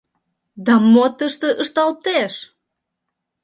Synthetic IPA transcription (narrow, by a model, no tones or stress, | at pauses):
d̪ɑmot̪əʃt̪ə̆ʔəʃt̪ɑlt̪eʃ